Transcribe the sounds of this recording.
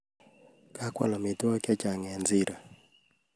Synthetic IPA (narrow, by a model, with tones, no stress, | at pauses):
ka˦kwa̰˨lɔ˨mɪ˨tɔ˦kɛ˦t͡ʃa˨ŋɛ˨nzɪ˦ɾa˨